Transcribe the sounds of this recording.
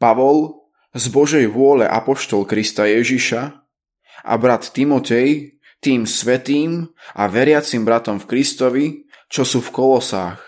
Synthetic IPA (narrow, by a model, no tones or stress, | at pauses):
paʋɔl | zbɔʒɛjʋʊɔlɛ̰ʔa̰pɔʃt̪ɔlkɾist̪ajɛʒiʃa | ʔa̰bɾat̪ːimɔt̪ɛj | t̪iːmsʋɛt̪iːmʔa̰ʋɛɾɪat͡simbɾat̪ɔmfkɾist̪ɔʋi | t͡ʃɔsuːfkɔlɔsa̰ːx